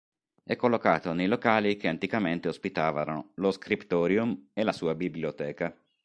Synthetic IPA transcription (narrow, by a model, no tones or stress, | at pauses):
ɛkːolːokaːt̪onejlokaːlik̟eant̪ikament̪eospit̪aːvaɾoloskɾipt̪ɔːɾjumelasuːabibliot̪ɛːka